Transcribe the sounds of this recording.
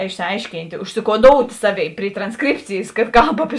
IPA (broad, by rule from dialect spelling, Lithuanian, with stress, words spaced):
ɪʃʲsʲɪˈɐɪʃʲkʲiːnʲtʲ ʊʃʲsʲɪkoːˈdoːʊtʲ ˈsɑːˌʋʲeːɪ pʲrʲɪ trɐnˈskrʲɪpʲt͡sʲeːjeːs kɐt ˈkɐlˠp ɐpʲɪ